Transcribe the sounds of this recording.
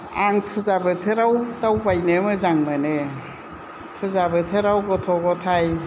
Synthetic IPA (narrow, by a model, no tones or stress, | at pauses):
aŋtʰuzabɯtʰɯɾawtawbajnemɯzaŋmɯne | tʰɯzabɯt̪ʰɯɾawɡɔtʰɔɡɔt̪ʰaj